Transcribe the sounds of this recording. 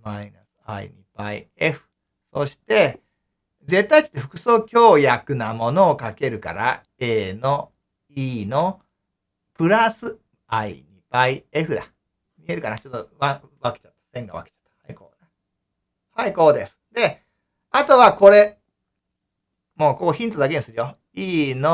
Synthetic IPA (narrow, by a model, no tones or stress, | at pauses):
maina̰sɨ̥a̰ḭɲ̟ʲipaḭ | e̞ɸɯ̟̥ | so̞ɕi̥t̪e̞ | d͡ze̞t̪ːait͡ɕi̥t̪ːeɸɯ̟̥kɯ̟̥so̞ːkʲo̞ːjakɯ̟namo̞no̞ːkake̞ɾɯ̟ka̰ɾa̰ | eːno̞ | iːno̞ | pɯ̟ɾasɨ | aḭɲʲib̥aie̞ɸɯ̟ɾa̰ | mʲie̞ɾɯ̟kanat͡ɕot̪ːoβa | βake̥t͡ɕat̪ːḁsẽ̞ŋɡaβa̰ke̥t͡ɕḁt̪ːḁhaiko̰ːna | haiko̞ːd̪e̞sɨ̥d̪e̞ | at̪o̞βako̞ɾe̞ | mo̞ːkokoçʲĩnt̪o̞d̪ak̬e̞ɲisɨɾɯ̟jo | iːno